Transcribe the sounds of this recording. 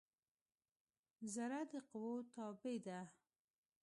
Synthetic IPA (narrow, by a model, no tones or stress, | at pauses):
zaɾad̪əqʊwot̪ɑbed̪a